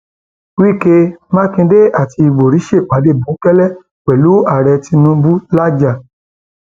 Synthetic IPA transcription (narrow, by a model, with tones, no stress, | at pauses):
wi˦˨ke˧mã˦kĩ˧de˦a˦˨ti˧i˧ɡ͡bo˨ɾi˨˦ʃe˦˨k͡pa˨˦de˦˨bũ˨˦kɛ˦lɛ˦˨ | k͡pɛ˨lu˨˦a˦˨ɾɛ˧ti˧nũ˦bu˦la˦d͡ʒa˦˨